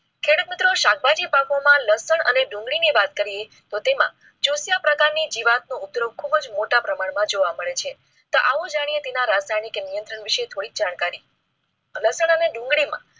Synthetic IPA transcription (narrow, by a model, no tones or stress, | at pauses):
kʰeɽut̪mɪt̪ɾoʃak̚ʰbʱad͡ʒipakomãləsəɳə̰neɖũŋɡɭineʋat̪kəɾie | t̪ot̪emã̰ | d͡ʒusjapɾəkaɾnid͡ʒiʋat̪̚nũʊp̚d̪ɾoɡ̚kʰubəd͡ʒmoʈapɾəmaɳmãd͡ʒoʋaməɭet͡ʃʰe | t̪oʔaʋõd͡ʒaɽ̃ijet̪enaɾasajnikenijənt̪ɾəɳʋiʃet̪ʰoɽikd͡ʒaɳ̃kaɾi | ləsəɳəneɖũŋɡɭimã̰